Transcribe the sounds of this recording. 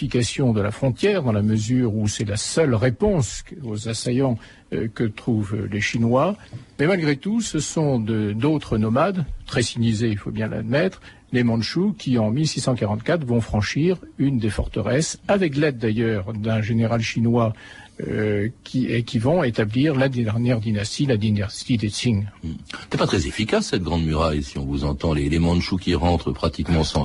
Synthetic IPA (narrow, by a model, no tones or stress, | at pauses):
ikasjɔ̃d̪əla̰fχɔ̃t̪jɛʁd̪ɑ̃laməzyʁusɛlasœlʁepɔ̃sozasajɑ̃ | kət̪χuvleʃinwamɛmalɡʁet̪usəsɔ̃d̪əd̪ot̪χənɔmad̪t̪χɛsiɲizeilfo̰bjɛ̃la̰d̪mɛt̪χ | lemɑ̃d̪ʃukʲʰiɑ̃milsisɑ̃kaʁɑ̃t̪kat̪χvɔ̃fχɑ̃ʃiʁynd̪efɔʁt̪əʁɛsavɛklɛd̪̚ːajœʁd̪ɛ̃ʒeneʁalʃinwa | økʲiekʲʰivɔ̃et̪abliʁlad̪ʁnjɛʁd̪inast̪ilad̪inast̪id̪esiŋɛnɛpat̪χɛzefikasːɛt̪̚ɡʁɑ̃d̪myʁajsiɔ̃vuzɑ̃t̪ɑ̃lelemɑ̃d̪ʃukʲiʁɑ̃t̪χəpχat̪ikmɑ̃sɑ̃